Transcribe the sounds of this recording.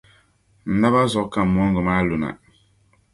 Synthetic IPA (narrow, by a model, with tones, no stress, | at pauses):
n̩˨na˦ba˦zɔ˨˦ka˨m̩˨m˦ɔ˦ŋ˦ɡɔ˨ma˦lo˨na̰˨